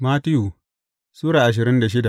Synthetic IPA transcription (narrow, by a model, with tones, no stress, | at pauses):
maː˦tɪ˦juː˨ | suː˦ɽaː˨ʔa˨ʃ̬ɪ˨ɾɪ˦nda˨ʃ̬ɪ˦da˨